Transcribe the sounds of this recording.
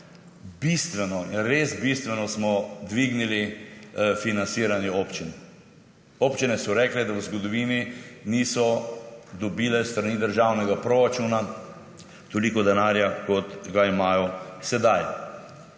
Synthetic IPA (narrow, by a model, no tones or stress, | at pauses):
bist̪ʋɛnɔinɾeːsbist̪ʋɛnɔsmɔd̪ʋiɡnili | finansiːɾanioːpt͡ʃin | opt͡ʃinɛsɔɾɛːklɛd̪awzɡɔd̪ɔʋiːniniːsɔd̪ɔbiːlɛst̪ɾaniːd̪əɾʒawnɛɡapɾoɾat͡ʃuːna | t̪oliːkɔd̪ɛnaːɾjakɔt̪ɡaimaːjɔsɛd̪aj